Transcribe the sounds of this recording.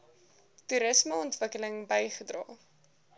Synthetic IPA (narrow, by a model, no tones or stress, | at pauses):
tuɾəsməɔntvəkələŋbəjχədrɑː